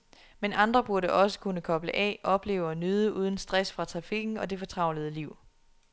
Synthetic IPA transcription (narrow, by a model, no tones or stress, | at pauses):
menʔɑ̈nd̥ʁɐb̥uɐɾəʔɒ̽sə̥kʰunəkʰɒ̽b̥ləʔɛ̰ʔɒ̽b̥le̝ːʊɐnyð̞ˠəʔuːð̞ˠn̩sd̥ʁasfʁɑ̈t͡sʰʁɑ̈fiɡ̥n̩ɒ̽de̝fɒ̽t͡sʰʁɑ̈ʊlið̩ˠəliʊ̰